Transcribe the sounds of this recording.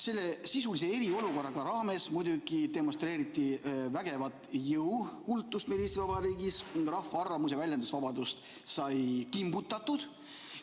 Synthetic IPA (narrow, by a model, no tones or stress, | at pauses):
se̞lːe̞sisulisee̞ɾio̞luko̞rɑɡ̥ɑɾɑːme̞smujd̪uɡ̥id̪e̞mo̞st̪ɾe̞ːɾit̪ːˑivæɡe̞vɑt̪ːˑjɯwkult̪ːˑust̪̚melest̪ivɑbɑɾiːɡisrɑhfːɑɑrːɑmus̬jɑvælʲjɑnd̪usvɑbɑd̪̥ust̪ | sɑjkimbut̪ːˑɑt̪ud̪̥